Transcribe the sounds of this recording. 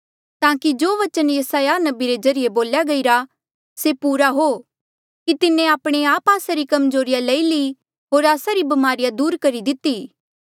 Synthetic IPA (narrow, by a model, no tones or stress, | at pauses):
t̪ãːkid͡ʒoːʋɐt͡ʃənjɐsaːjanɐbiɾed͡ʒɐɾɪjeboːljaɡɐiɾa | sepuːɾaɦo | kit̪ɪnːẽaːpɽ̃eaːpaːsaɾikɐmzoːɾɪjaleili | ɦoːɾaːsaɾibɐmaːɾɪjad̪uːɾkɐɾid̪ɪt̪iː